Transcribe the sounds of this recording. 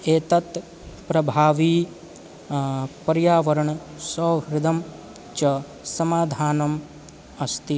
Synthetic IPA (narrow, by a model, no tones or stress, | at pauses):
eːt̪ɐt̪ | pɾɐbʱaːʋi | pɐɾjaːʋɐɾɐɳ | sɐːɦɾɪd̪ʱɐm | t͡ʃɐ | sɐmaːd̪ʱaːnɐm | ɐst̪i